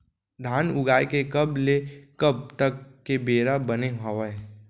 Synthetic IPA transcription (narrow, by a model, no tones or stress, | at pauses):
d̪ʱaːnʊɡaːekekəblekəb̚t̪əkːebeːɾabəneɦɐʋəe